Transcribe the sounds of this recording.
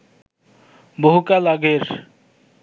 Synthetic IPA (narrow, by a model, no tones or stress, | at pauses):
bəɦukalaɡeɾ